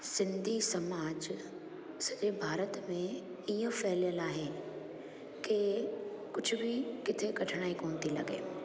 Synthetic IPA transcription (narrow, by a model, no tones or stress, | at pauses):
sɪ̃nd̪ʱisɐmaːd͡ʑ | sɐd͡ʑebʱaːɾət̪mẽ | iə̃fɛɦljəlaːɦeː | kekʊd͡ʑʱʊbʱɪkɪt̪ʰekɐʈʰɪɽ̃aːikoːnt̪ʰilɐ̰ɡḛː